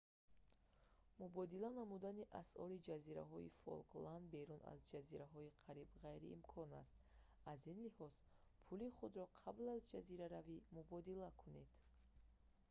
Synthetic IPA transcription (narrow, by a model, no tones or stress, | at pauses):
mubɔd̪ilanamud̪aniʔasɔɾid͡ʒaziɾa̰ɦɔḭfɔ̰lkland̪be̞ɾuna̰zd͡ʒaziɾaɦɔiqʰaɾibʁajɾḭːmkʰɔna̰st̪̚ | azinlihɔz̥ | pʰuliχud̪ɾɔqʰablazd͡ʒaziɾaɾavimubɔd̪ilakʰune̞d̪̥